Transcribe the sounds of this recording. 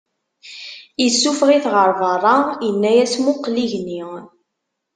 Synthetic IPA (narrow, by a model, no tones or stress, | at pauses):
jəsːufʁiθʁəɾˤvɑrˤːɑjənːæjæsmʊqːliʝni